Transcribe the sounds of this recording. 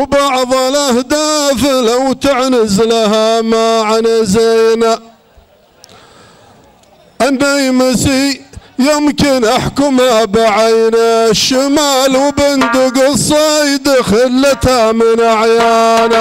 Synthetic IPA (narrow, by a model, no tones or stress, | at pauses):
wbɑʕðˤɑlahd̪aːfɪlawt̪ɪʕnɪzlaɦamaʕanazajna | ʔanːajmɪsijɪmkɪnʔaħkʊmhabaʕajnaʃːɪmaːlwbɪnd̪ʊɡɪsˤɑjd̪axɪlːat̪amɪnʔaʕjaːna